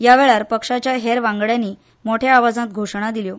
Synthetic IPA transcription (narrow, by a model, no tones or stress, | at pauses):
jaʋeɭaɾpəkʂat͡ɕjaɦeɾʋãŋɡɭjanːiː | moʈʰjaaʋad͡zat̪̚ɡʱoʂɳ̃ad̪iljo